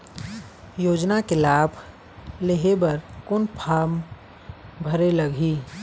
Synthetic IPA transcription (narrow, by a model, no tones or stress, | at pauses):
joːd͡ʒnakelaːbʱ | leɦebɐɾkʊnpʰaːm | bʱəɾeləɡʱiː